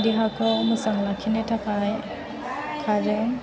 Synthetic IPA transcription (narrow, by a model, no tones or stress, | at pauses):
diɦakʰɔmusaŋlakʰinɛtʰakaj | kʰazɔ